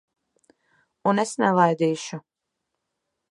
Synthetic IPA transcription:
unesnɛvˠajd̪iːʃu

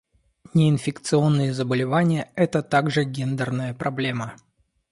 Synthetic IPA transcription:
nʲɪɪnfʲɪkt̪sɨo̞nːɨjəzəbəlʲɪvanʲɪjəɛt̪ət̪aɡʐɨɡʲend̪ərnəjəpɾʔɐblʲe̞mə

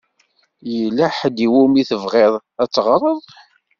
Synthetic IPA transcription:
jəlːæħd̪iwumiθəvʁeðˤ | æt͡sːʁɾˤəðˤ

